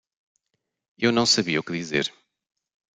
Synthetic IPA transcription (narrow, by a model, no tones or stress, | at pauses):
ewnɐ̃w̃sɐβiɐukɨðizḛɾ